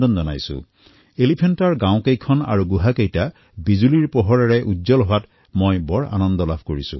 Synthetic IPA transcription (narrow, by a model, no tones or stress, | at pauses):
dɔnzɔna̰jsʊ̰̃ | elipʰentaɹɡãw̃kejkʰɔna̰ɹuɡuɦakejta | bizuliɹpɔɦɔɹaɹɛʔuzɔlɦɔwat | mɔjbɔɹa̰nɔndɔlabʱkoɹisʊ̰̃